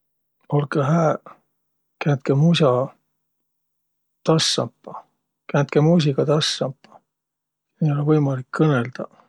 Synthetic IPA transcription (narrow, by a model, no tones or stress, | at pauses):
olkɑɦæː | kænt̪̚kemus̬ɑ | t̪ɑsːɑ̰mpːɑ | kænt̪̚kemuːs̬ʲikɑt̪ɑsːɑmpːɑ̥ | niolevɤjmɑlikːɤneld̪̥ɑ